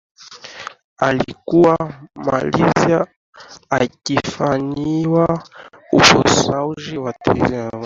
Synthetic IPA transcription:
alikuwama̰liza | akifaɲiwaufɔsauʒiwatɛzam

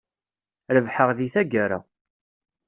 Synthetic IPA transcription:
ɾəvħəʁðiθæɡəɾa̰

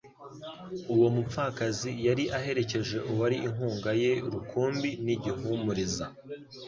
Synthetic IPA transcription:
uwo̞mup͡fakazijaɾiʔaɦe̞ɾe̞ce̞ʒe̞ʔuwaɾiʔiŋuːŋɡaje̞ɾukʰuːmbiniɟihumuɾiza

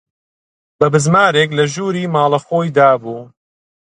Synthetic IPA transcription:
bɐbɨzmaːɾeːklɐʒuːɾiːmaːlˠɐxoːjd̪aːbuː

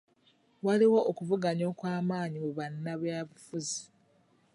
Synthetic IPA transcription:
waliwo̞ʔokuvuɡaɲo̞ːkwaːmaːɲimuβanːaβjaːβufuzi

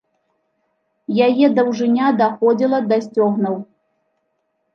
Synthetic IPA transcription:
jajɛd̪ɐwʐɨnʲad̪axɔd͡zʲilˠɐd̪asʲt͡sʲɔɣnuw

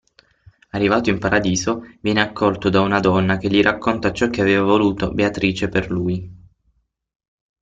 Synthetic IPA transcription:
arːivaːt̪oimpaɾad̪iːzovjɛːneakʰːɔlt̪od̪aunad̪ɔnːak̟eʎːiɾʔakːont̪at͡ʃɔk̟ːeaveːvavoluːt̪obeat̪ɾiːt͡ʃeperluːj

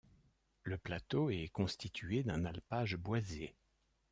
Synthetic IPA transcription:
ləplat̪oɛkɔ̃st̪it̪ʰɥed̪ɛ̃nalpaʒbwaze

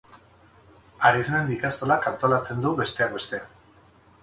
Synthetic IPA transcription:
aɾisenend̪ikast̪o̞lakant̪o̞lat͡se̞nd̪uβe̞st̪e̞abe̞st̪e̞

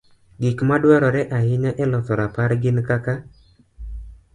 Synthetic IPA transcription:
ɡɪkmadwaɾɔɾɛʔaɦɪɲaʔɛlɔt̪ɔɾapaɾɡɪnkaka

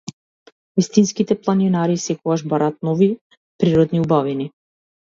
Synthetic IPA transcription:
vist̪inskit̪ɛplˠaninaɾisɛkɔɡaʒbaɾaːt̪̚nɔvi | pɾiɾɔd̪niubavini

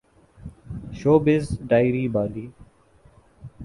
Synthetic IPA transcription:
ʃoːbɪzɖaːɪɾiːbaːliː

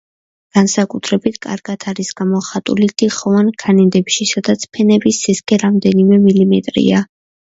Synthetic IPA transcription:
ɡ̥ansakʼut̪ʰɾɛbit̪ʰkʼa̰ɾɡ̥at̪ʰaɾisɡ̥amɔχat̪ʼṵlit̪ʰiχɔvankʰanɛd̪ɛpʃisad̪at̪sʰpʰɛnɛbisːiskʰʼɛɾamd̪ɛnimɛmilimɛt̪ʼɾḭa

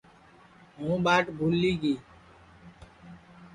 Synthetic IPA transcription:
ɦũːɓaːʈbʱulːiːɡiː

